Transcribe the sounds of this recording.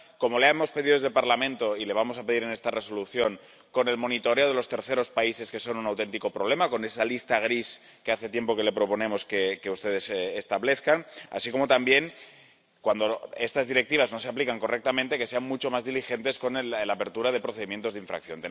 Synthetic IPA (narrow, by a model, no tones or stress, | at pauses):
ko̞mo̞leaemo̞spe̞ðið̞zðelpaɾlamẽnt̪o̞ile̞β̞amo̞sape̞ðiɾe̞ne̞st̪are̞so̞luθjo̞ŋ | ko̞ne̞lmo̞nit̪o̞ɾeoðe̞lost̪e̞ɾθe̞ɾo̞spaise̞ske̞so̞nunawt̪e̞nt̪iko̞pɾo̞β̞le̞mako̞ne̞salist̪aɣ̞ɾis | ke̞aθe̞t̪je̞mpo̞ke̞le̞pɾo̞po̞ne̞mo̞skeke̞ust̪eð̞esest̪aβle̞θkana̰siko̞mo̞t̪ambje̞ŋ | kwand̪o̞e̞st̪azðiɾe̞k̚t̪iβ̞azno̞se̞aplikaŋko̞rʔek̚t̪amẽnt̪e̞ke̞se̞anmut͡ʃo̞mazðilixe̞nt̪e̞sko̞nlapeɾt̪uɾað̞e̞pɾo̞θeimje̞nt̪ozðiɱfɾa̰k̚θjo̞nt̪e